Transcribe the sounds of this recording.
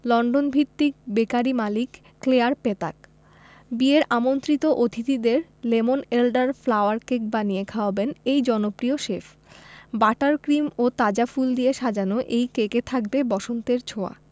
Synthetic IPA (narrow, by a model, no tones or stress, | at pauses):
lɔɳɖonbʱit̪ːik̚bekaɾimalikː | leaɾpet̪a̰k̚ | bieɾʔamont̪ɾit̪oʔot̪ʰit̪id̪eɾlemonelɖaɾflawaɾkek̚banijekʰaobenejd͡ʑɔnopɾioʃefʰ | baʈaɾkɾimot̪ad͡ʑafuld̪ieʃad͡ʑanoʔejkeket̪ʰakbebɔʃont̪eɾt͡ɕʰoa̰